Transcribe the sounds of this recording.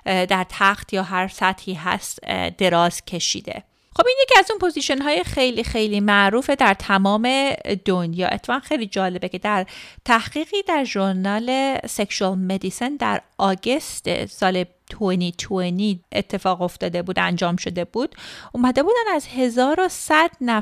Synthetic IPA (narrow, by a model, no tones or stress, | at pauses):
d̪æɾt̪ʰæxt̪ʰjɒːɦæɾsæt̪hiːɦæ̰st̪d̪̥e̞ɾɒːz̥cʰe̞ʃḭːd̪e̞̰ | xo̞binjecʲiæzuːnpʰo̞ziʃonɦɒːjexe̞jliːxejliːmæʔɾuːfe̞d̪æɾt̪ʰæmɒːme̞d̪̥onjɒ̰ːʔḛt̪ʰːʁænxe̞jliːd͡ʒɒːle̞becʰe̞d̪æɾt̪ʰæhɣ̥iːɣiːd̪æɾʒoɾnɒːle̞sekʃuælmed̪isend̪æ̰ɾʔɒːɟe̞st̪ḛsɒːle | t̪ʰueniːt̪ʰueniːet̪ʰːe̞fɒːɣo̞ft̪ɒːd̪e̞buːd̪æ̰nd͡ʒɒːmʃo̞d̪e̞buːd̪̥uːmæd̪e̞buːd̪ænæzhe̞zɒːɾosæd̪̥næ